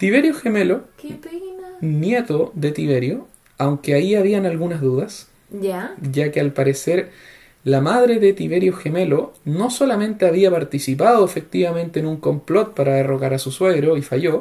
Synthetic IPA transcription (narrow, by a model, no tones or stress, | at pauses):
t̪iβ̞e̞ɾjoxemelokpennjet̪oðe̞t̪iβeɾjo | awŋkeaiaβianalɣunazðuðas | aʝakealpaɾeseɾ | lamað̞ɾeðet̪iβe̞ɾjoxeme̞lono̞solamẽ̞nt̪eaβiapaɾt̪isip̬aðoefek̚t̪iβamẽ̞nt̪eːnuŋko̞mplo̞t̪̚paɾaðeroɣaɾasuswe̞ɣɾoifaʝo